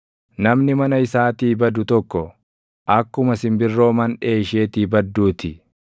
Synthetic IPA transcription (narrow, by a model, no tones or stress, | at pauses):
nɐmnɪmɐnɐɪsaːt̪iːbɐd̪ʊt̪ɔkːɔ | ʔɐkːʊmɐsɪmbɪrːo̞ːmɐnᶑeːʃeːt̪iːbɐd̪ːuːt̪ɪ